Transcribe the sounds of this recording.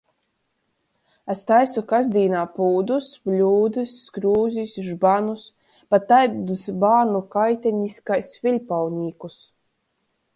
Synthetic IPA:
ast̪ajsukazd̪ʲiːnaːpuːd̪usblʲuːd̪ɨsːkɾuːzʲisʒbanus | pat̪ajd̪usbaːnukajt̪ʲɛɲiskajsfʲilʲpawnʲiːkus

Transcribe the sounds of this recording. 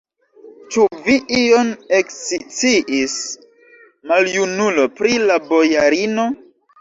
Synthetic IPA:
t͡ʃuviʔioneksit͡siʔis | maljunulo̞pɾilabo̞jaɾino̞

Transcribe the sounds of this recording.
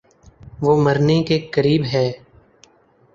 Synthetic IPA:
ʋoːməɾnekekəɾiːbɦɛː

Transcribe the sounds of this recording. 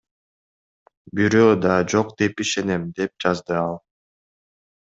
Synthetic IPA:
biɾøːd̪ɑd͡ʒo̞qd̪e̞piʃe̞ne̞md̪e̞p̚d͡ʒɑzd̪ɯɑlˠ

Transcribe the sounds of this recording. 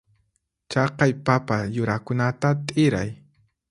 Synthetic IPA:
t͡ʃɑqɑjpapajʊɾakʊnat̪at̪ʼɪɾa̰j

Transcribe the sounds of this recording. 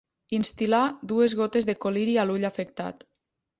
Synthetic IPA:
inst̪ilad̪uezɣot̪ezðekoliɾialuʎafekt̪a̰t̪

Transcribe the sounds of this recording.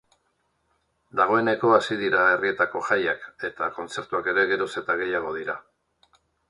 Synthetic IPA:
d̪aɣ̞o̞e̞ne̞ko̞asiðiɾae̞rie̞t̪ako̞ʝajake̞t̪ako̞nt͡se̞ɾt̪uake̞ɾe̞ɣe̞ɾose̞t̪aɣ̞e̞jaɣ̞o̞ð̞iɾa

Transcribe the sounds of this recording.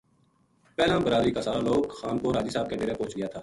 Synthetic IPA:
pɛːleɦmbəɾaːd̪ɾiːkaːsaːɾaːloːkxaːnkoɾaːd͡ʒiːsaːb̚keʈeːɾẽːpõːt͡ʃɡɪjaːt̪ʰaː

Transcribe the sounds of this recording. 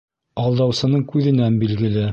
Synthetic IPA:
ɑlˠd̪ɑwsɤ̆nɤɴkʉðɘ̆nænbilɡɘ̆lɘ

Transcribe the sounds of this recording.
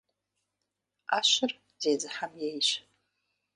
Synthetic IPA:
aʃʷɨr | d͡zejd͡zħamjejʃʷ

